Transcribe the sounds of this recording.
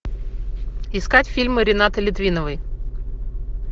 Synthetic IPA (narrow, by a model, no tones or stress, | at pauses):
ɪskatʲfʲilʲmɨɾʲɪnat̪ɨlʲɪt̪vʲinəvɨj